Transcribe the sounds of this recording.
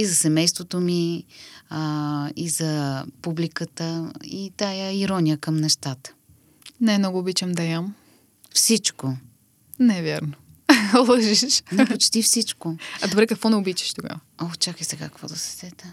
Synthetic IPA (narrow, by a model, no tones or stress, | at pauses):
izɐsɛmɛjst̪vot̪omi | izɐpublikət̪əit̪ajaiɾɔnʲijəkəmnɛʃt̪at̪ə̥ | najmnɔɡʊːbit͡ʃɛmd̪ɐjam | fsit͡ʃko | nɛvʲjaɾno | lˠəʒiʃʃnot͡ʃt̪ifsit͡ʃkoɐd̪obɾɛkɐkvɔnɛʊbit͡ʃi̥ʃt̪oɡa̰vəot͡ʃakəjsɛɡakkvɔd̪ɐsɛ̥sɛt̪ə